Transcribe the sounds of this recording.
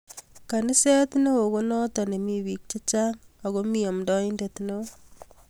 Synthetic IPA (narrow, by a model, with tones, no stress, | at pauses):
ka˨ni˦sɛ˦tno˦wo˨ɣo˦nɔ˦ta˨ne˨mi˦wi˨k̚t͡ʃe˦t͡ʃa˦ŋa˨ɣo˦mi˦o˨mdɔ˦i˦ndetno˦